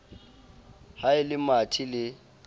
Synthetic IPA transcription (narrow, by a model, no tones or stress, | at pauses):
haɪlɪmatʰilɪ